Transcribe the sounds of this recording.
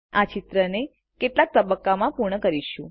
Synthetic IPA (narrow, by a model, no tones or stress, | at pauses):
at͡ʃit̪ɾəne | keʈlak̚t̪əbəkːamãpuɾɳəkəɾiʃũ